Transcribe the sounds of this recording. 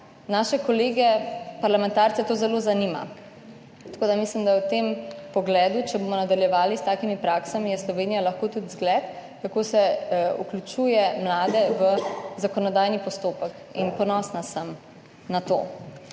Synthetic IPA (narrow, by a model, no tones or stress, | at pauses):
naːʃɛkɔleːɡɛpaɾlamɛ̃nt̪aːɾt̪sɛt̪oːzɛlozanima̰ | t̪ḁkoːd̪amislimd̪ajɛwt̪empɔɡlɛːd̪ut͡ʃɛbomɔnad̪aljɛʋaːlist̪aːkimipɾaːksamijɛslɔʋeːnijalɐxkot̪ut̪zɡlɛt̪ | kakoːsɛṵklʲut͡ʃuːjɛmlaːd̪ɛʋəzakɔnɔd̪aːjnipɔst̪oːpək | inpɔnɔːsnasəm | nat̪o̰ː